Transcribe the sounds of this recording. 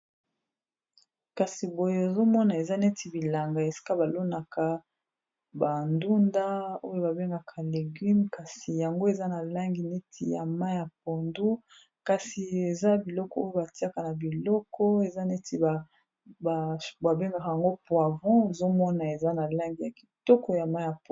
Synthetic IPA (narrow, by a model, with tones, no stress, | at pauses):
ka˨si˨bo˨je˦e˨zo˦mɔ˦na˨e˨za˦ne˦ti˨bi˨la˨ŋɡa˨e˨si̥˦ka˦ba˨lo˦na˨ka˨ | ba˨ndu˦nda˦o˦jo˦ba˨be˦ŋɡa˨kʰa˨le˨ɡy˦mka˨si˨ja˨ŋɡo˦e˨za˦na˨la˦ŋɡi˨ne˦tʰi˨ja˨ma˦ja˨p̚o˨ndu˦ | ka˨si˨e˨za˦bi˨lɔ˦kɔ˦o˦jo˦ba˨ti˦a˦ka˨na˨bi˨lɔ˦kɔ˦e˨za˦ne˦ti˨ba˨ | ba˨ba˨be˦ŋɡa˨ka˨ja˨ŋɡo˦pwa˨vɔ̃˦e˨zo˦mɔ˦na˨e˨za˦na˨la˦ŋɡi˨ja˨ki̥˨tɔ˦kɔ˨ja˨ma˦ja˨p